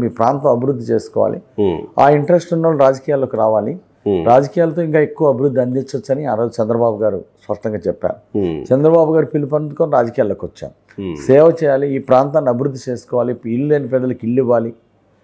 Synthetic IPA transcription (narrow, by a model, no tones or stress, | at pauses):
miːpɾaːnt̪ɐ̃mɐbiɾud̪ʱːit͡ʃeːsu̥kɔːʋa̰ːlḭa̰ːiɳʈɐɾesʈunːɐlːuɾaːd͡ʒɐkiːjaːlːo̞ːkiɾaːʋaːli | ɾaːd͡ʒɐkijaːlɐt̪o̞ːiŋkaːekːuʋɐɐbʱiɾud̪ʱːiɐnd̪it͡ʃːot͡ʃːɐniaːɾoːd͡ʒut͡ʃɛnd̪ɾɐbaːbuɡaːɾṵspɐʂʈɐŋɡaːt͡ʃɛpːa̰ːɾut͡ʃɛnd̪ɾɐbaːbuɡaːɾupilipɐnd̪ukoːniɾaːd͡ʒɐkijaːloːkiʋɐt͡ʃːa̰ːmu | sɛːʋɐt͡ʃɛːjaːliiːpɾaːnt̪aːnɐbʱiɾud̪ʱːit͡ʃeːsu̥kɔːʋaːliilleːnipɛːd̪ɐlɐkiɭːiʋaːli